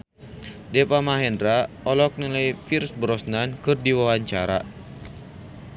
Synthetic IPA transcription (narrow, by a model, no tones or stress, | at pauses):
dɛpamaɦɛndɾa | ɔlɔk̚nilajfirsbɾɔsnankɨrdiwawaɲt͡ʃaɾa̰